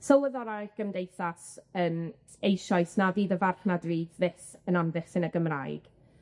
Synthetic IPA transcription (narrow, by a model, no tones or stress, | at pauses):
sowəðɔɾaɾɪχɡ̥əmdejθasəːm | ejʃɔjsnaðiːðəvarɬnadriːvðɪsənamðɪχsɪnəɡəmrajɡ̥